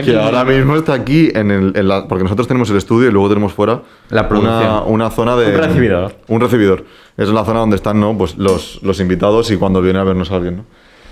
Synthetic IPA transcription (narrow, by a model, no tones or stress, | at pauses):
keaoɾamizmoest̪aːkie̞nelenlapo̞ɾkenoso̞t̪ɾstenemose̞le̞st̪uðjoilwe̞ɣo̞t̪ene̞mo̞sfwe̞ɾa | laɾunaunaθo̞naðeeθiβiðoɾunreθiβiðo̞ɾ | e̞senlaθo̞naðone̞st̪anːo̞p̬we̞slo̞slo̞simbit̪aðo̞sikwand̪o̞βjeneaβe̞ɾno̞salɣje̞nːo